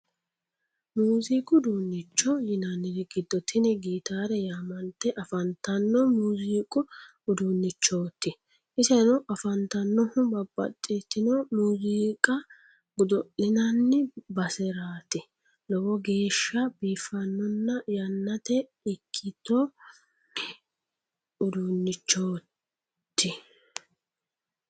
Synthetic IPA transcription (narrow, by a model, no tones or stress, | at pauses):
muːziːkʼʊd̪uːnːɪt͡ʃːɔjɪnɐnːɪnɪɡɪd̪ːɔt̪ʰːɪnɛɡiːt̪aːɾɛjaːmɐnt̪ːɛʔɐfɐnt̪ɐnːɔmuːziːkʼʊ | d̪unːɪt͡ʃːoːt̪ːɪ | ɪsɛnɔʔɐfɐnt̪ɐnːɔhʊbɐbːɐ̰t̪ʼːɪt̪ːɪnɔmuːziːkʼɐ | ɡʊd̪ɔʔɪnɐnːɪbɐsɛɾaːt̪ɪ | lɔwɔɡe̞ːʃːɐbiːfːɐnːɔnːɐjɐnːɐt̪ɛ | ɪkʰːɪt̪ːɔ | ʊd̪unːɪt͡ʃːoː | t̪ːɪ